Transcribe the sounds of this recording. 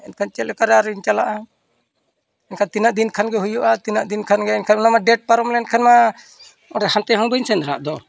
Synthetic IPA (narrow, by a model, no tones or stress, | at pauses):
ɛnkʰant͡ʃɛlɛkaɾaɾiɲt͡ʃalaʔa | ɛnkʰant̪inaʔd̪inkʰanɡɛɦujɔʔat̪inaʔd̪inkʰanɡɛɛnkʰannamaɖɛʈ̚paɾɔmlɛɛnkʰanma | ɔɖɛhant̪ɛɦɔ̃bənsɛnd̪ɾa̰ʔd̪ɔ